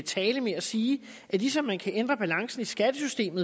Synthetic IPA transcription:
t͡sʰɛːləmeæsiː | ʔælisɒ̽mːænkʰæʔend̥ʁɐb̥ælɑ̈ŋsn̩isɡ̥æd̥əsysd̥e̝̰ːmð̩ˠ

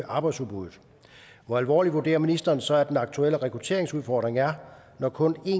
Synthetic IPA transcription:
ʔɑ̈ːb̥ɑ̈ɪd̥suðb̥uðð̩ˠ | ʋɒælʋɒ̰ːliʋuɐd̥e̝̰ːɐminisd̥ɐːnsɒ̽æd̥enɑ̈ɡ̥̚t͡sʰuel̰əʁɛkʰʁut͡sʰe̝̰ɐeŋsuð̞ˠfɒ̰ːd̥ʁeŋæɐ | nɒkʰɔ̽ne̝

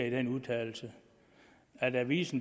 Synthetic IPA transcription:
id̥enuðˠt͡sʰɛ̰ːl̩sə | æd̥æʋḭːsn̩

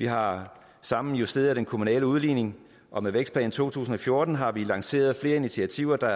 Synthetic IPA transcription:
ʋiɦɑ̈ | sɑ̈mn̩jusd̥e̝ːð̩ˠd̥enkʰo̝munɛ̰ːləuð̞ˠliːne̝ŋ | ʔɒ̽meðʋeɡ̥sd̥̚pʰlɛ̰ːn̩t͡sʰo̰ːt͡sʰṵːsn̩ɒ̽fjo̝ɐd̥n̩ɦɑ̈ʋilɑ̈ŋse̝̰ːɐð̞̩ˠfle̝ːɐinit͡sʰiæt͡sʰiʊ̰ɐd̥ɑ̈

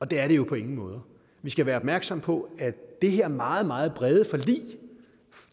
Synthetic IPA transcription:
ɒ̽d̥eæɐɾe̝jo̝pʰɒ̽e̝ŋn̩mɔ̽ːð̞ˠɐ | ʋisɡ̥æʋæːɐɒ̽b̥mæɐɡ̥sɒ̽m̰pʰɒ̽æd̥e̝ɦeɐmɑ̈ːð̞̩ˠmɑ̈ːð̩ˠb̥ʁɛð̞ˠəfɒ̽lḭː

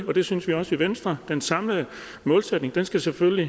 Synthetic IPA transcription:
ɒ̽d̥e̝synsʋiɒ̽səiʋensd̥ʁɐd̥ensɑ̈mlə | mɔ̽ːlsed̥neŋd̥ensɡ̥æsefølli

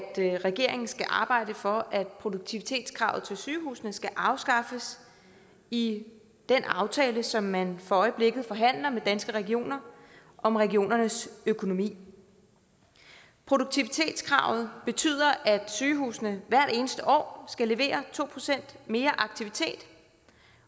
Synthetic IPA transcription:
d̥ʁɛɡ̥e̝ɐ̰e̝ŋn̩sɡ̥æʔɑ̈ːb̥ɑ̈ɪ̰d̥əfɒ̽ʔæd̥̚pʰʁo̝d̥oɡ̥̚t͡sʰiʋit͡sʰe̝̰ːd̥skʰʁɑ̈ʊð̩ˠt͡sʰe̝lsyːhṵːsnəsɡ̥æʔɑ̈ʊsɡ̥ɑ̈fəs | i | d̥enʔɑ̈ʊt͡sʰɛːləsɒ̽mːænfɒ̽ɒ̽ɪəb̥le̝ɡ̥ð̩ˠfɒ̽ɦæn̰lɐmed̥ænsɡ̥əʁɛɡio̝̰ːnɐ | ʔɒ̽mʁɛɡio̝̰ːnɐnəsøkʰo̝no̝mḭː | pʰʁo̝ɾoɡ̥̚t͡sʰiʋit͡sʰe̝̰ːd̥skʰʁɑ̈ʊ̰ð̞̩ˠb̥e̝t͡sʰy̰ð̞̰ˠɐʔæd̥syːɦṵːsnəʋæɐ̰d̥e̝ːnəsd̥əʔɒ̰ːsɡ̥æle̝ʋe̝̰ːɐt͡sʰo̝̰ːpʰʁo̝sen̰d̥me̝ːɐʔɑ̈ɡ̥̚t͡sʰiʋit͡sʰe̝̰ːd̥

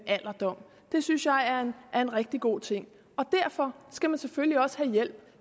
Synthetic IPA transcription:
ʔæl̰ɐd̥ɒ̽m̰ | d̥e̝synsjɑ̈ɪæɐnæɐe̝nʁɛɡ̥̚d̥iɡ̥o̝̰ːt͡sʰe̝ŋ̰ | ɒ̽d̥æɐ̰fɒ̽sɡ̥æmænsefølliɒ̽sə̥hæjel̰b̥

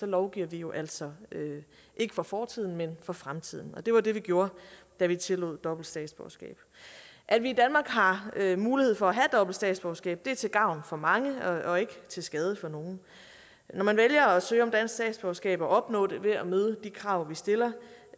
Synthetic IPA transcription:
sɒ̽lɒʊɡ̥ḭɐʋijo̝ʔæl̰sɒ̽ø | ʔe̝ɡ̥əfɒ̽fɒːt͡sʰið̰ˠn̩menfɒ̽fʁamt͡sʰið̞̰ˠn̩ɒ̽d̥e̝ʋɑ̈de̝ʋiɡ̥jo̝ːɐ | d̥æʋit͡sʰe̝lo̰ðˠd̥ɒ̽b̥l̩d̥sd̥ɛ̰ːd̥sb̥ɒ̰ːsɡ̥ɛ̰ːb̥ | ʔæd̥ʋiːd̥ænmɑ̈ːɡ̥ɦɑ̈muːlihe̝̰fɒ̽æɦæd̥ɒ̽b̥l̩̥sd̥ɛ̰ːd̥sb̥ɒʊsɡ̥ɛ̰ːb̥̚d̥e̝æɐt͡sʰe̝lɡ̥ɑ̈ʊnfɒ̽mɑ̈ŋəɒ̽e̝ɡ̥ət͡sʰe̝lsɡ̥ɛð̞ˠəfɒ̽no̝ːn̩ | nɒmænʋeljɐɒ̽sø̰ːɒ̽md̥æn̰sɡ̥sdɛ̰ːd̥sb̥ɒːsɡ̥ɛ̰ːb̥ɒ̽ʔɒ̽b̥nɔ̰ːd̥e̝ʋe̝æmøːðˠəd̥ikʰʁɑ̈ʊ̰ʋisd̥e̝lɐ

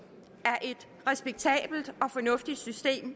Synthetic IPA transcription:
æɐʔe̝d̥ | ʁɛsb̥eɡ̥̚t͡sʰɛ̰ːb̥l̩d̥ɒ̽fɒ̽nɔ̽fd̥id̥sysd̥e̝̰ːm

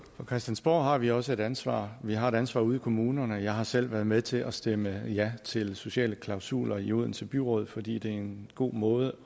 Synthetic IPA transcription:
fɒ̽kʰʁɛsd̥ænsb̥ɒ̰ːɦɑ̈ʋiɒ̽səe̝ɾænsʋɑ̰̈ːʋiɦɑ̈e̝ɾ̥ænsʋɑ̈ːuːð̞ˠikʰo̝muːnɐnəjɑ̈ɪɦɑ̈sel̰ʋæɐðˠmeðˠt͡sʰe̝ʔɒ̽sd̥eməjæt͡sʰe̝lso̝ɕɛ̰ːləkʰlɑ̈ʊsṵːlɐiuð̰ˠn̩t͡sʰe̝lb̥yʁɔ̽ːðˠfɒ̽d̥ḭːd̥e̝æɐe̝nɡ̥o̝̰ːmɔ̽ːð̞ˠə

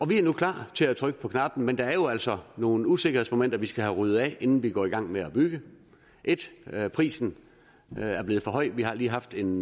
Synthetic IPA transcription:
ʔɒ̽ʋiæɐnukʰlɑ̰̈ːt͡sʰe̝læt͡sʰʁœɡ̥əpʰɒ̽kʰnɑ̈b̥n̩mend̥ɑ̈æɐjo̝æl̰sɒ̽no̝ːn̩use̝ɡ̥ɐhesmo̝men̰d̥ɐʋisɡ̥æɦæʁyð̩ˠɛ̰e̝nn̩ʋiɡ̥ɒ̰ːiɡ̥ɑ̈ŋ̰meæb̥yɡ̥ə | ʔe̝d̥pʰʁḭːsn̩ | æɐble̝ːð̞̩ˠfɒ̽ɦɒ̽ɪ̰d̥ʋiɦɑ̈liːɦɑ̈fd̥e̝n

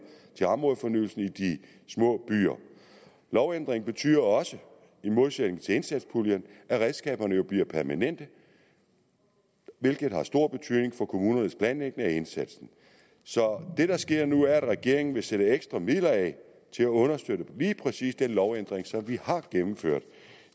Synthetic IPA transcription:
t͡sʰe̝lɑ̈mʁɔðˠfɒ̽nyːl̩sn̩id̥i | smɔ̰̽ːb̥y̰ːɐ | lɒʊend̥ʁeŋ̩b̥e̝t͡sʰy̰ːɐɒ̽sə | imo̝ðˠsed̥ne̝ŋ̩t͡sʰe̝e̝nsæd̥spʰuljɐnʔæʁɛð̥ˠsɡ̥ɛ̰ːb̥ɐnəjo̝b̥liɐ̰pʰæɐmænen̰d̥ə | ʋe̝lɡ̥ð̩ˠhɑ̈sd̥o̝ɐ̰b̥e̝t͡sʰy̰ð̰ˠne̝ŋfɒ̽kʰo̝muːnɐnəspʰlænleɡ̥̚nəæe̝nsæd̥sn̩ | sɒ̽d̥e̝ɾɑ̈sɡ̥e̝ɐ̰nuæɐæd̥ʁɛɡ̥e̝̰ɐ̰e̝ŋn̩ʋe̝seɾ̥əeɡ̥sd̥ʁɑmið̰ˠlɐɛ | t͡sʰe̝læɔ̽nɐsd̥ødəliːpʰʁɛsḭːsd̥enlɒʊen̰d̥ʁeŋsɒ̽mʋihɑ̈ɡ̥emm̩føɐ̰d̥

